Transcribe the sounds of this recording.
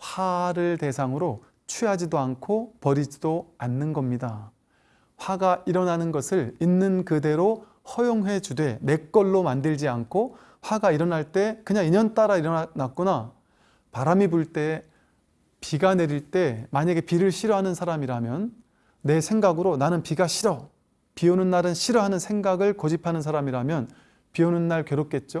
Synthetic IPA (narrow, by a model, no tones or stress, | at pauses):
ɸaɾɯɭte̞sʰaŋɯɾo | t͡ɕʰiɦad͡ʑidoankʰopʌɾid͡ʑidoanːɯnɡʌmɲida | ɸwaɡaʔiɾʌnanɯnɡʌsʰɯɭinːɯnkɯde̞ɾo | hʌjoŋwe̞t͡ɕude̞ne̞k͈ʌɭːomandɯɭd͡ʑiankʰo | ɸwaɡaiɾʌnaɭt͈e̞kɯɲaŋiɲʌnt͈aɾaiɾʌanak̚k͈una | paɾamibuɭt͈e̞ | piɡane̞ɾiɭt͈e̞maɲaɡe̞piɾɯɭɕʰiɾʌɦanɯnsʰaɾamiɾamjʌnː | e̞sʰe̞ŋɡaɡɯɾonanɯnpiɡaɕʰiɾʌ | pionɯnːaɾɯnɕʰiɾʌɦanɯnsʰe̞ŋɡaɡɯɭkʌd͡ʑipʰanɯns̬ʰaɾamiɾamjʌn | pionunːaɭkjʌɾop̚k͈e̞t̚t͡ɕ͈o